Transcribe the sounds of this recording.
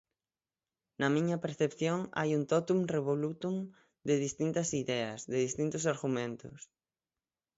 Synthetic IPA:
nɐmĩɲɐpeɾθepθjoŋa̰junt̪ɔt̪uŋreβolut̪uŋ | d̪eðist̪int̪ɐsiðɛɐsðeðist̪int̪ʊsaɾɣumẽnt̪ʊ̰s

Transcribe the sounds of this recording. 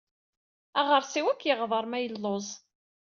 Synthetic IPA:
æʁəɾˤsiwækːjəʁðˤɑɾˤmæjəlːozˤ

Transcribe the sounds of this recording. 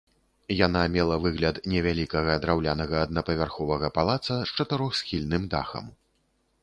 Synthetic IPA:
janamʲɛlˠɐvɨɣlʲɐt̪nʲɛvʲalʲikɐɣɐd̪ɾawlʲanɐɣɐːd̪̚nɐpɐvʲarxɔvɐɣɐpalˠat̪sɐst͡ʂɐt̪ɨɾɔxsxʲilʲnɨmd̪a̰xɐ̰m

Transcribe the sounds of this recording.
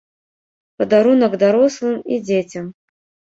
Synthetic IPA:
pɐd̪aɾunɐɡd̪aɾɔslˠɨmid͡zʲet͡sʲɐm

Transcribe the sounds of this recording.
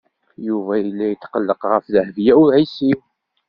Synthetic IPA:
juvæjəlːæjət̪ːqəlːəqʁəfðəhvjæʊɾʕisiw

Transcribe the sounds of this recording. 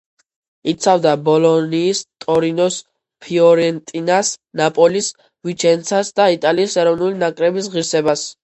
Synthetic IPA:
it̪sʰavd̪abɔlɔniːst̪ʼɔɾinɔs | pʰiɔɾɛnt̪ʼinasnapʼɔlis | vit͡ʃʰɛnt̪sʰasd̪ait̪ʼaliːsɛɾɔvnulinakʼɾɛbis̬ʁiɾsɛbas

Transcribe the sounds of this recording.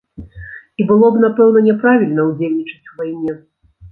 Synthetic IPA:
ibɨlˠɔbnapɛwn̪ɐnʲɛpɾavʲilʲnɐwd͡zʲelʲnʲit͡ʂɐ̥t͡sʲwvajnʲɛ

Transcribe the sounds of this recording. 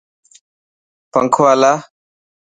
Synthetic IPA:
pɐ̰ŋkʰwala

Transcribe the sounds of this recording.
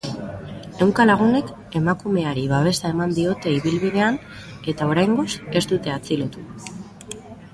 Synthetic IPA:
e̞wŋkalaɣ̞une̞k | e̞makume̞aɾiβ̞aβ̞e̞sae̞mand̪io̞t̪e̞iβilβiðe̞an | e̞t̪ao̞ɾajŋɡo̞se̞st̪ut̪e̞at͡silot̪u

